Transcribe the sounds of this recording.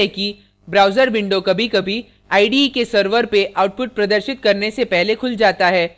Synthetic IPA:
ɛki | bɾaːʊzəɾbɪ̃ɳɖokɐbʱikɐbʱi | aːiɖikesɐɾʋəɾpeʔaːʊʈ̚pʊʈ̚pɾɐd̪əɾʃɪt̪kɐɾnesepɛɦlekʰʊld͡ʒaːt̪aɦɛː

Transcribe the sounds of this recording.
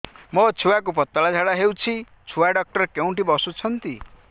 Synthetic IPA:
mɔt͡sʰuwak̬up̬ʌt̪ːalad͡zʱaɽaɦewt͡sʰi | t͡sʰuwaɖʌk̚ʈʌɾkew̃ʈibɔsut͡sʰʌnt̪i

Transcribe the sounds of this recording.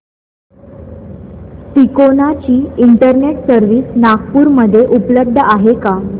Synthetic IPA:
t̪ikonat͡ɕiːiɳʈəɾneʈsəɾʋiːsnaɡpuːɾməd̪ʱːjeʔupləb̚d̪ʱəʔaɦeka

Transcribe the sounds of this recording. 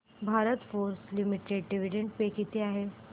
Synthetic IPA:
bʱaɾət̪foɾslimiʈeɖɖiʋiɖeɳʈ̚pekit̪eaɦe

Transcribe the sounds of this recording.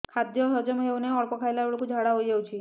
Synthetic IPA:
kʰad̪jɔɦɔd͡ʒɔmɦewneɔɭpɔkʰaelaɭkud͡ʒʱaɽaɦojd͡ʒawt͡ʃʰi

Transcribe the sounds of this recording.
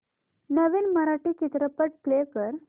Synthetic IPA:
nəʋiːnməɾaʈiːt͡ɕit̪ɾəpəʈ̚plekəɾ

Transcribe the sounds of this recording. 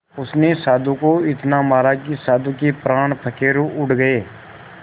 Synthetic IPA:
ʊsnesaːd̪ũkoɪt̪namaːɾakisaːd̪ukepɾaːɽ̃pʰəkeːɾoʔʊʈɡəeː

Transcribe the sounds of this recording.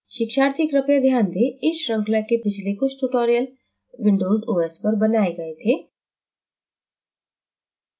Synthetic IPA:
ʃɪkʃaːɾt̪ikɾɐpjad̪ʱjaːnd̪eɪʃɾɐ̃ŋklakebɪd͡ʒʱlekosʈuːʈoːɾijəl | ʋɪ̃ɳɖoːzuːɛːspɐɾbɐnaːeɡɐet̪ʰeː

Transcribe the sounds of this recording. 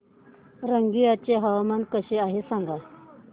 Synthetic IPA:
ɾəŋɡijat͡ɕeɦaʋamankəɕeaɦesãŋɡa

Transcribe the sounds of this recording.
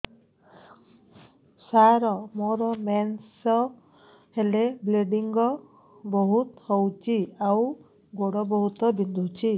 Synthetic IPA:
saɾɔmoɾɔmɛnsɔ | helebleɖiŋɡɔ | bɔɦut̪hɔwt͡ʃʰiaw | ɡoɽɔbɔɦut̪ɔbind̪ʱut͡ʃʰi

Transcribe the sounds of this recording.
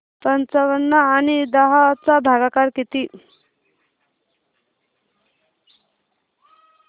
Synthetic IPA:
pʌnt͡saʋənːaːnid̪ʌɦat͡sabʱaɡakaɾkit̪i

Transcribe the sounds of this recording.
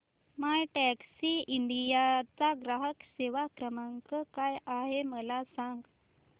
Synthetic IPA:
majʈɛksiiɳɖijat͡saɡɾaɦəkseʋakɾəmaŋkəkajaɦeməlasãŋɡ

